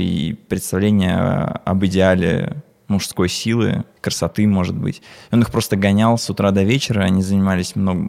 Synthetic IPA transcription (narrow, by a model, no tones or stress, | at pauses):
ḭpɾʲɪt̪st̪ɐvlʲenʲɪjə̰ɐ̰bɨdʲɪalʲɪ̰ | mʊʂsko̞jsʲilˠɨ̰kɾəsɐt̪ɨmo̞ʐɨt̪̚bɨ̰tʲo̞nɨxpɾo̞st̪əɡɐnʲalˠsʊt̪ɾad̪ɐvʲet͡ɕɪɾəɐnʲizənʲɪmalʲɪsʲmno̞ɡəm